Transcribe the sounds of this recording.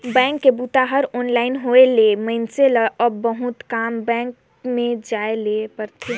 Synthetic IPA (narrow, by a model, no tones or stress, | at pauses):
bɛ̃ːŋkːebut̪aɦəɾɔːnlaːɪnɦoeleməɪnseləʔɔbəɦut̪kaːmbɛ̃ːŋk | mẽd͡ʒaːelepəɾt̪ʰe